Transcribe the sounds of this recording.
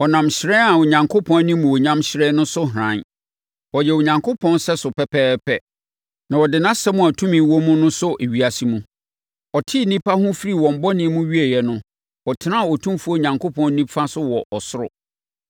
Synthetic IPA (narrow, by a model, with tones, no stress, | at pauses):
ɔ˨nã˨mɕɪ˨ɾɛ˦a˨ʊ˨ɲã˨ŋkʰʊ˦pʰɔ̃˦nnĩ˦mũ˨wo˨ɲã˦mɕɪ˨ɾɛ˦nʊ̃˦sʊ˦ɦɾã˨˦n | wɔ˨jɛ˨wo˨ɲã˨ŋkʰo˦pʰɔ̃˦nsɛ˦sʊ˨pɛ˦pʰɛː˦pʰɛ˦ | nã˨wɔ˨dɪ˨nã˦sɛ˦mʊ̃˦˨a˨tʰũ˦mĩ˨˦wɔ˦mũ˦nʊ̃˦sʊ˦ʔe˨ɥi˨a˨si˦mũ˦ | ɔ˨tʰi˦nĩ˦pʰa˦hʊ̃˦fi˦ɾi˦˨wɔ̃˨m̩˨bɔ˦nɪ̃˦mũ˦ɥi˦e˨jɛ˨nʊ̃˦ | ɔ˨tʰɪ˨nã˦˨wɔ˨tʰũ˦mfu˦o˦ɲã˨ŋkʰo˦pʰɔ̃˦n˦nĩ˦pfa˦sʊ˦wɔ˨ʔɔ˨sʊ˦ɾʊ̰˨